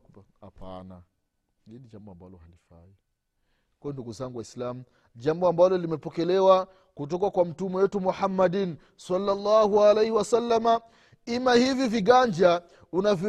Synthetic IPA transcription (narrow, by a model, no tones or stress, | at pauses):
ha̰pa̰na | hinid͡ʒambɔambalɔhalifa̰i | kwaɔnduɡuzaŋɡwaislamu | d͡ʒambɔambalɔlimɛpɔkɛlɛwa | kut̬ɔkakwam̩tumɛwɛtumuħamːadin | salːalːahualejhiwasalːama | imahiviviɡaɲd͡ʒa | unavi